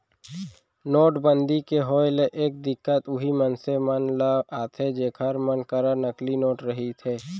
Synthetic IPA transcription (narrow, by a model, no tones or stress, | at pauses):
noːʈbənd̪ikeɦɔːɪleʔeːk̚d̪ɪkːət̪ʊɦimənsemənləaːt̪ʰed͡ʒeːkʰəɾmənkəɾənəklinoːʈɾəɦit̪ʰɛː